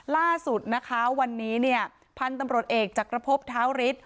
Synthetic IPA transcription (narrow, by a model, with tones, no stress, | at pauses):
laː˥˩su˨˩t̪̚na˦˥kʰa˦˥wa˧nːiː˦˥ni˥˩ɐə | pʰa˧nt̪a˧mɾu˨˩ət̪̚ʔeː˨˩k̚t͡ɕaː˨˩kɾa˧pʰo˦˥p̚t̪ʰaː˦˥wɾi˦˥t̪̚